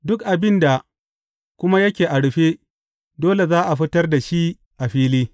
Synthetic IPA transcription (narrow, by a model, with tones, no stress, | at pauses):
dʊ˦kʔa˨bɪ˦nda˨ | kʷʊ˦ma˦jɐ˦kʲeː˨ʔa˨ɽɸe˦ | doː˦le˨zaː˦ʔa˨ɸɪ˦tɐ˦rda˨ʃi˦ | ʔa˨ɸiː˦liː˦